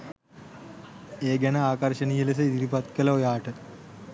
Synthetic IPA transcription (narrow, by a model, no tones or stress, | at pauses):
eːɡɛnɐaːkɐɾʃɐnijeles̬ɐid̪iɾipɐt̪kɐlɐojaːʈə